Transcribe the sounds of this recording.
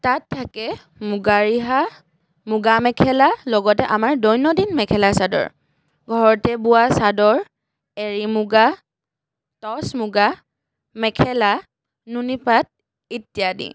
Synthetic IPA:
tatʰːakɛ | muɡaɹiɦa | muɡamɛkʰɛlalɔɡɔtɛʔamaɹdɔjnɔdinmɛkʰɛlasadɔ̰ɹ | ɡʱɔɹɔtɛbuasadɔɹ | eɹimuɡa | tɔsmuɡa | mɛkʰɛla | nunipat̚ | itijadḭ

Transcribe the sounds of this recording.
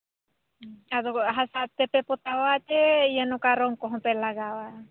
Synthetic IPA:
azɔɦasat̪ɛpɛpɔt̪awat͡ʃɛijanɔkaɾɔŋkɔɦɔ̃pɛlaɡawa

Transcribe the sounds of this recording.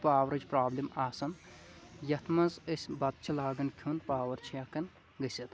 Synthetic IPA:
paːwɐɾɐd͡ʒʲpɾaːblʲimaːsɐn | jɐt̪ʰmɐzəsʲbɐt̪̚t͡ʃʰilaːɡɐnkʰunpaːʋɐɾt͡ʃʰijɐkɐn | ɡɐsʲit̪

